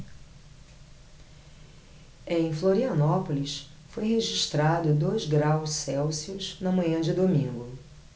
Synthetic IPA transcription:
ẽj̃floɾiɐnɔpolis | fojɦeʒiʃt̪ɾad̪ʊd̪ojzɡɾawssɛwsiʊznɐmɐ̃ɲɐ̃d͡ʒɪd̪omĩŋɡʊ

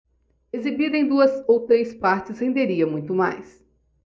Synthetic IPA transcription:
ezibid̪ɐẽd̪uɐsowt̪ɾespaɾt͡ʃɪshẽnd̪eɾiɐmũj̃t̪ʊma̰js

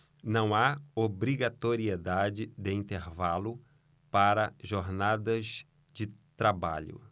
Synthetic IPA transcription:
nɐ̃w̃aobɾiɡat̪oɾied̪ad͡ʒɪd̪ɪĩnt̪eɾvalʊ | paɾɐʒoɾnad̪ɐz | d͡ʒɪt̪ɾaba̰ʎʊ̰

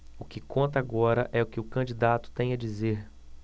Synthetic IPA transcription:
ʊkɪkõnt̪ɐaɡɔɾɐʔɛʊkɪʊkɐ̃d͡ʒid̪at̪ʊ̥t̪ẽj̃ɐd͡ʒizeɾ

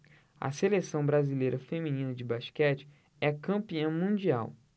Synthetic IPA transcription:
ɐ̰selesɐ̃w̃bɾazilejɾɐfemĩnĩnɐd͡ʒɪbaʃkɛt͡ʃɪ̥ | ɛɐkɐ̃piɐ̃mũd͡ʒiaw

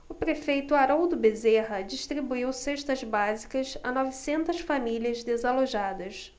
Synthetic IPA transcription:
ʊpɾefejt̪ʊaɾowd̪ʊbezeɦɐd͡ʒiʃt̪ɾibuiwseʃt̪ɐzbazikɐsɐ̰nɔvisẽnt̪ɐsfamiliɐzd̪ezaloʒad̪ɐs

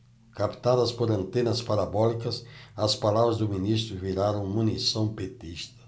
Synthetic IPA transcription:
kapt̪aðɐspoɾɐ̃nt̪ẽnɐspaɾabɔlikɐsɐspalaβɾɐzd̪ʊminist̪ɾuviɾaɾɐ̃w̃munisɐ̃w̃pet̪ist̪ɐ̥

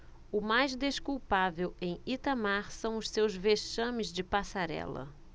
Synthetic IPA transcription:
ʊmajzd̪eʃkuwpavewẽj̃it̪ɐmaɾsɐ̃w̃ʊssewzveʃɐ̃mɪzd͡ʒɪpasaɾɛ̰lɐ̰

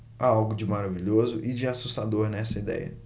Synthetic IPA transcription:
aawɡʊd͡ʒɪmaɾaviʎozʊʔɪd͡ʒɪasust̪ad̪oɾnɛsɐid̪ɛ̰jɐ̰

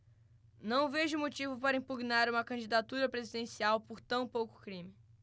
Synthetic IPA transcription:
nɐ̃w̃veʒʊmot͡ʃivʊpaɾɐĩpuɡnaɾũmɐkɐ̃d͡ʒid̪at̪uɾɐpɾezid̪ẽsiawpoɾt̪ɐ̃w̃powkʊ̥kɾĩmɪ

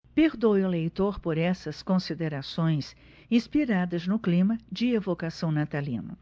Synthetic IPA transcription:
peɾd̪owʊlejt̪oɾpoɾɛsɐskõsid̪eɾasõj̃s | ĩspiɾad̪ɐznʊklĩmɐd͡ʒɪevokasɐ̃w̃nat̪alḭ̃nʊ̰

